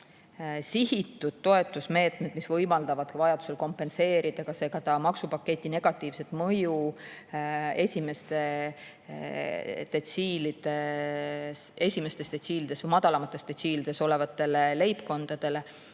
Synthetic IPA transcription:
siɦit̪ːˑud̪̥̚t̪o̞e̞t̪ːˑusme̞ːt̪ˑme̞d̪̥misvɤjmɑld̪̥ɑvɑd̪̥vɑjɑd̪̥u̥selko̞mpːˑe̞nse̞ːɾid̪̥ɑkɑse̞ːɡ̥ɑt̪ɑmɑksupɑkːe̞t̪ʲːˑine̞ɡ̥ɑt̪ːˑiːvse̞t̪mɤju | e̞sʲime̞st̪e̞ | t̪et̪siːlid̪̥e | se̞sʲimest̪e̞st̪e̞t̪siːlid̪̥esvɤjmɑd̪ɑlɑmɑt̪ːˑest̪et̪siːlid̪̥e̞so̞le̞vɑt̪ːˑe̞lele̞jpko̞nd̪̥ɑd̪̥e̞le̞

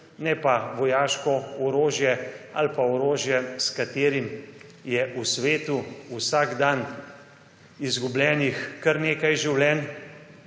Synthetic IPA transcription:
nɛpaʋɔjaːʃkɔɔɾoːʒjɛalpaɔɾoːʒjɛskat̪eːɾimjɛʔusʋeːt̪uusaɡd̪an | izɡublʲɛːnixkəɾneːkajʒiwlɛn

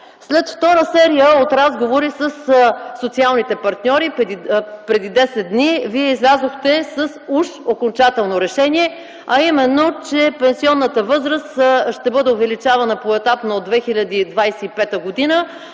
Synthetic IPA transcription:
slɛt̪ft̪ɔɾəsɛɾijəot̪ɾazɡovoɾisəssot̪sialˠnit̪ɛpɐɾt̪nʲɔɾi | pɾɛd̪id̪ɛsɛd̪̚d̪niviɛizlʲazoxt̪ɛsəsuʃokont͡ʃat̪ɛlˠnoɾɛʃɛniɛ | ɐimɛnːot͡ʃɛpɛnsiɔnːət̪əvɤzɾəst̪ʃt̪ɛbɤd̪ɛovɛlit͡ʃavɐnəpoɛt̪apnoːd̪vɛxilʲɐd̪iːd̪vajsɛipɛt̪əɡod̪inə

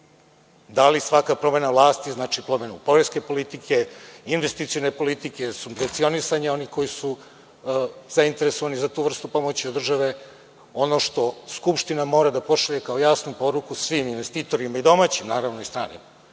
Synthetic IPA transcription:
d̪alisʋakapɾo̞me̞navlˠaːst̪iznaːt͡ʃipɾo̞me̞nupo̞ɾeske̞po̞lit̪ikʰe̞inʋe̞st̪it̪sijone̞po̞lit̪ike̞supɾent̪sio̞nisaɲeo̞niko̞jisu | z̥aint̪e̞ɾeso̞ʋanizat̪uːʋr̩st̪upo̞mot͡ɕiod̪r̩ʒaʋe̞ | o̞no̞ʃt̪o̞skupʃt̪inamo̞ːɾad̪apo̞ʃaʎekaojaːsnupo̞ɾukusʋiminʋe̞st̪iːt̪o̞ɾimaid̪o̞maːt͡ɕimnaːɾaʋnoist̪ɾa̰ːnḭma

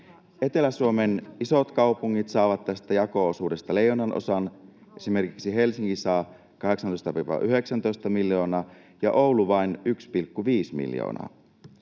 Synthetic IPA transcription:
e̞t̪e̞læsuome̞niso̞t̪kɑupuŋːit̪sɑːʋɑt̪ːæst̪æjɑko̞osuːde̞st̪ɑle̞jːonːɑnʔo̰sɑn | ʔe̞sime̞rkiksiɦe̞lsiŋkisɑː | kɑɦe̞ksɑnt̪ojst̪ɑpipɑ̰ʔyɦe̞ksɑnt̪o̞jst̪ɑmilːjo̞ːnɑː | jɑʔo̞wluʋɑinykspilkːuʋiːsmḭljo̰ːnɑ̰ː

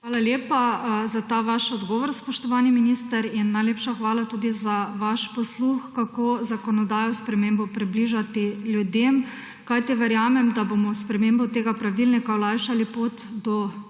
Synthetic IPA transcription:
ʋaːlaljeːpazat̪aʋaʃɔd̪ɡɔːʋɔɾspɔʃt̪ɔʋaːniminist̪əɾinːajlepʃaxʋaːlat̪uːd̪izaʋaʃpɔsluxkakozakɔnɔd̪aːjɔspɾɛmeːmbɔpɾibliʒat̪iljud̪em | kajt̪iʋɛɾjaːmɛmd̪abomɔspɾɛmeːmbɔt̪eːɡapɾaʋilnikawlaːjʃalipoːt̪d̪ɔ

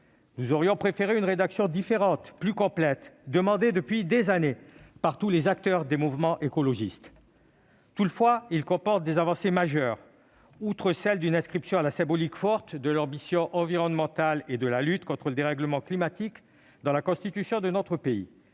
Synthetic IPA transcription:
nuzɔʁjɔ̃pχefeʁeynʁed̪aksjɔ̃d̪ifeʁɑ̃t̪plykɔ̃plɛt̪d̪əmɑ̃d̪ed̪əpɥid̪ezanepaʁt̪ulezak̚t̪œʁd̪emuvmɑ̃ʔekɔlɔʒist̪ | t̪ut̪fwailkɔ̃pɔʁt̪̚d̪ezavɑ̃semaʒœʁ | ut̪χəsɛld̪ynɛ̃skχipsjɔ̃alasɛ̃bɔlikfɔʁt̪d̪əlɑ̃bisjɔ̃ʔɑ̃viʁɔnmɑ̃t̪aled̪əlalyt̪kɔ̃t̪χələd̪eʁɛɡləmɑ̃klimat̪ik | d̪ɑ̃lakɔ̃st̪it̪ysjɔ̃d̪ənɔt̪χəpeḭ

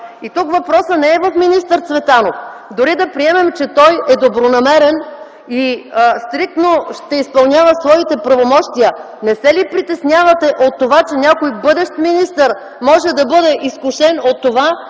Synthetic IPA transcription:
it̪ukvɐpɾɔsənɛːvɐfminist̪əɾt̪svɛt̪anofd̪ʊɾid̪ɐpɾiɛmɛmt͡ʃɛt̪ɔjɛd̪obɾonɐmɛɾɛn | ist̪ɾik̚t̪noʃt̪ɛispɐlˠnʲjavɐsvɔit̪ɛpɾɐvomɔʃt̪iə | nɛsɛlipɾit̪ɛsnʲjavɐt̪ɛʔot̪ːovat͡ʃɛnʲakojbɤd̪ɛʃt̪minist̪əɾ | mɔʒɛd̪ɐbɤd̪ɛʔiskuʃɛnot̪ːova

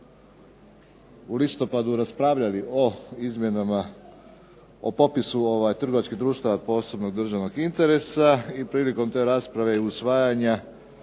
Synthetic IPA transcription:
ulist̪o̞pad̪uɾaspɾaʋʎalioizmʲjenama | o̰po̞pisuoʋajt̪r̩ɡo̞ʋat͡ʃkid̪ɾuːʃt̪aʋapo̞so̞bno̞ɡ̚d̪r̩ʒaʋno̞ɡint̪e̞ɾe̞saipɾiːliko̞mt̪e̞ːɾaːspɾaʋe̞iusʋaːjaɲa

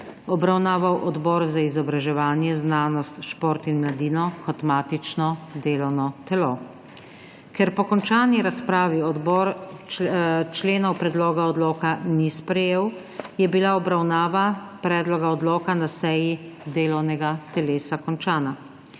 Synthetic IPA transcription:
ɔbɾawnaːʋawʔɔd̪bɔːɾzaizɔbɾaʒɛʋaːnjɛznaːnɔst̪ʃpɔːɾt̪inmlad̪iːnɔkɔt̪maːt̪it͡ʃnɔd̪eːlɔwnɔt̪ɛlo | kɛɾpɔkɔnt͡ʃaːniɾaspɾaːʋiɔd̪bɔɾ | t͡ʃleːnɔwpɾɛd̪loːɡaɔd̪loːkanispɾɛjeːw | jɛbilaɔbɾawnaːʋapɾɛːd̪lɔɡaɔd̪lɔːkanasɛjid̪eːlɔwnɛɡat̪ɛleːsakɔnt͡ʃaːna

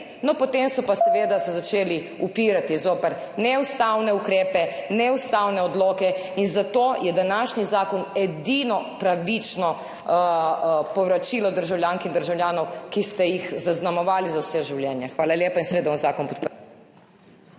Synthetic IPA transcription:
nɔpɔt̪emsɔpasɛʋeːd̪asɛzat͡ʃeːli | upiːɾat̪izoːpɛɾ | nɛust̪awnɛukɾeːpɛnɛust̪aːwnɛɔd̪loːkɛinzat̪oːjɛd̪anaʃnizaːkɔnɛd̪inɔpɾaʋit͡ʃnɔ | pɔwɾat͡ʃiːlɔd̪əɾʒawljaːŋkiɣd̪əɾʒawljaːnɔwkist̪ɛjixzaznamɔʋaːlizawsɛʒiwljɛnjɛxʋaːlaljeːpainsɛʋeːd̪abanzaːkɔnpɔt̪̚pəɾ

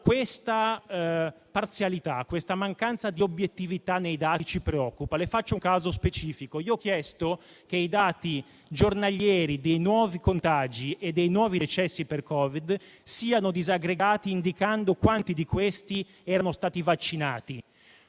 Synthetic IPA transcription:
kwest̪a | part̪sjalit̪akːwest̪amaŋkant̪sad̪iobjet̪ːivit̪anːejd̪aːit͡ʃipɾeɔkːupalefat͡ʃːouŋkaːzospet͡ʃiːfikoiːoɔkːjɛst̪o | keid̪aːt̪i | d͡ʒornaʎjɛːɾid̪ejnwɔːvikont̪ad͡ʒiʔed̪ːejnwɔːvid̪et͡ʃɛsːiperkɔːvid̪ | siːanod̪izaɡɾeɡaːt̪iːnd̪ikand̪okwant̪id̪ikwest̪i | ɛːɾanost̪aːt̪ivat͡ʃːinaːt̪i

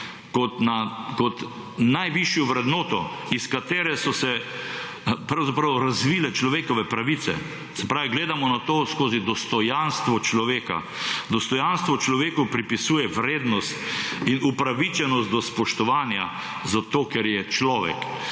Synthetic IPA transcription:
kɔt̪nakɔt̪ | najʋiʃjɔʋɾɛd̪noːt̪ɔiskat̪eːɾɛsɔsɛ | pɾawzapɾɐwɾazʋilɛt͡ʃlɔʋeːkɔʋɛpɾaʋit̪sɛ̰ | sɛpɾaːʋiɡleːd̪amɔnat̪oːskoːzid̪ɔst̪ɔjanst̪ʋɔt͡ʃlɔʋeːka̰ | d̪ɔst̪ɔjanst̪ʋɔt͡ʃlɔʋeːkɔpɾipisuːjɛʋɾeːd̪nɔst̪inupɾaʋit͡ʃɛnɔst̪d̪ɔspɔʃt̪ɔʋaːnja̰ | zat̪oːkɛɾjɛt͡ʃlɔːʋɛ̰k

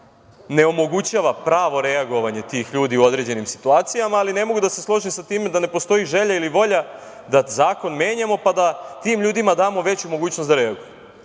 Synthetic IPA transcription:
ne̞o̞mo̞ɡut͡ɕaːʋapɾaːʋo̞ɾe̞aɡo̞ʋaɲe̞t̪iːxʎuːd̪iuo̞d̪ɾe̞ːd͡ʑe̞nimsi̥t̪uaːt̪sijamaːline̞mo̞ɡud̪aseslˠo̞ʒisat̪iːmed̪ane̞post̪o̞iʒe̞ʎailiʋo̞ʎa | d̪azaːko̞nmjeːɲamo̞pad̪at̪iːmʎuːd̪imad̪aːmo̞ʋe̞t͡ɕumo̞ɡuːt͡ɕnosd̪aɾe̞aɡuju

